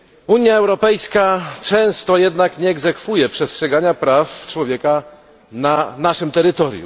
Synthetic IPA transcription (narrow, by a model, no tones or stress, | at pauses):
uɲjaɛwɾɔpɛjskat͡ʂɛ̃w̃st̪ɔjɛd̪nakɲɛːɡzɛkfujɛpʂɛstʂɛɡaɲapɾaft͡ʂwɔvʲjɛka | nanaʂɘmt̪ɛɾɘt̪ɔɾjṵ